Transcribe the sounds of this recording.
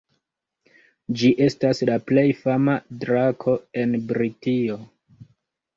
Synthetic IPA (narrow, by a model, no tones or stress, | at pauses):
d͡ʒiʔe̞staslaple̞jfamadɾakʰo̞e̞nbɾitio̞